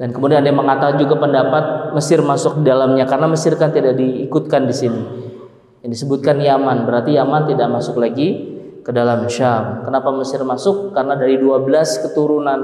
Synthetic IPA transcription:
dankəmudianandaməŋat̪ad͡ʒuɡapəndapat̪̚məsɪrmasʊk̚didalamɲakarənaməsɪrkant̪idak̚diːkut̪̚kandisini | jaŋdisəbʊt̪̚kanjamanbəɾart̪ijamant̪idaʔ̚masʊklaɡi | kədalamʃamkənapaməsɪrmasʊkːarənadaɾiduabəlaskət̪uɾunan

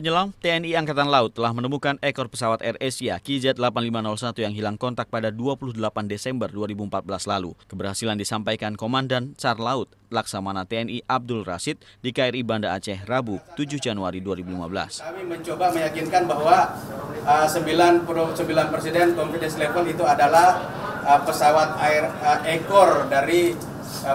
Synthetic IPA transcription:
pəɲəlamt̪eɛniaŋkat̪anlaʊt̪ːəlahmənəmukanɛkɔrpəsawat̪ɛrɛsiakizɛt̪̚lapanlimanɔlsat̪ujaŋɦilaŋkɔnt̪ak̚padaduapuluhdəlapandesɛmbərduaɾibumpat̪̚bəlaslalṵkəbərhasilandisampajkankomandansarlaʊt̪̚laksamanat̪eɛniʔab̚dʊlra̰sɪt̪̚dikaiɾibandaːt͡ʃɛhrabut̪ud͡ʒʊhd͡ʒanuaɾiduaɾibulima̰bəla̰skamiməɲt͡ʃobaməjakinkanbaɦwa | əsəmbilanpsəmbilanpɾesidɛnkɔmfidɛslefəlit̪uadalah | əpəsawat̪̚airəekɔrdaɾi

